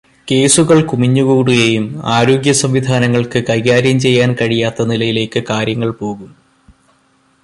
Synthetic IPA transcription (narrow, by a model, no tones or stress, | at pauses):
ke̞ːsuɣɐɭkumiɲːuɣuːɽujejumaːɾo̞ːɡjɐsɐmʋid̪ʱaːnɐŋːɐɭkɨkɐjɣaːɾjɐmt͡ɕe̞jːaːnkɐɻijaːt̪ːɐnilɐjile̞ːkːɨkaːɾjɐŋːɐɭpo̞ːɣum